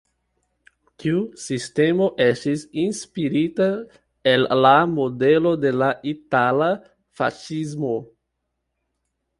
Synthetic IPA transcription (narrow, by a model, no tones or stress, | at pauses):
tʰiusistemoʔestisinspiɾita | elːamodelodelaʔitala | fa̰ʃizmo